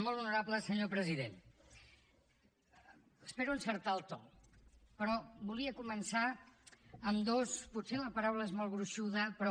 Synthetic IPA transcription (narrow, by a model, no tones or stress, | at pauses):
molˠunuɾapləsəɲopɾəziðen | əspeɾuunsəɾt̪alˠt̪ɔ | pəɾɔbuliəkumənsa | əmd̪osput̪seləpəɾawləezmɔlˠβɾuʃuðəpɾɔ